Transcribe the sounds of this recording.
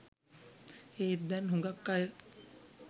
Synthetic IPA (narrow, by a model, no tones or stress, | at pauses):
eːd̪ænɦuŋɡakːajə